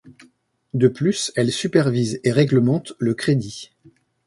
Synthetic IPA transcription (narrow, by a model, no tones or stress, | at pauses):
d̪əplysɛlsypɛʁvizeʁɛɡləmɑ̃t̪ləkχed̪i